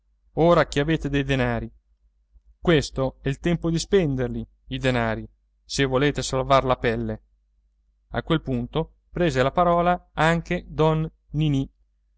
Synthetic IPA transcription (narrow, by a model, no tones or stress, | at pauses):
oːɾak̟iaveːt̪ed̪ejd̪enaːɾi | kwest̪oɛilt̪ɛmpod̪ispɛnd̪erli | id̪enaːɾi | sevːoleːt̪esalvarlapɛlːe | a̰kwelpunt̪o | pɾeːzelapaɾɔːlaaŋk̟ed̪ɔnː | ini